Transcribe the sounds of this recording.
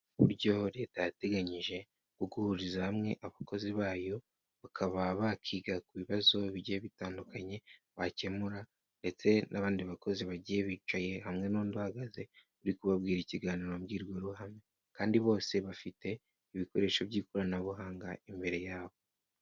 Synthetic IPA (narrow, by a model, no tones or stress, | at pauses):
βṵɾɟo̞ɾe̞ːtajate̞ɡaɲiʒe̞ | kuɡuhuɾizahamŋe̞̰ʔaβako̞ziβaːjo̞ | βakʰaβaβakʰiːɡakuβiβazo̞iβiɟijeβitaːndukaɲe̞ | βace̞muɾa | nde̞t͡se̞nʔaβaːndiβako̞ziβaɟije̞βiːt͡ʃaje̞hamŋe̞noːnduhaɡaze̞ | uɾikuβabɡiːɾiciɡaːniːɾomɡiːɾɡwo̞ɾuhame | kaːndiβo̞ːse̞βafite̞ | iβiko̞ɾe̞ːʃo̞βɟiːkoɾanaβuɦaːŋɡaimbe̞ɾe̞jaːβo̞